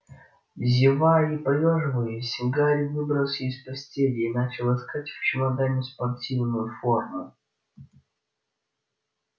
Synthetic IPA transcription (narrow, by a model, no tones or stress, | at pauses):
zʲɪvaipɐjʲoʐɨvɨjɪsʲɪɡaɾʲvɨbɾəlˠsʲespɐsʲtʲelʲinat͡ɕɪlˠɪskatʲft͡ɕɪmɐd̪anʲɪspɐrtʲivnʊjʊformʊ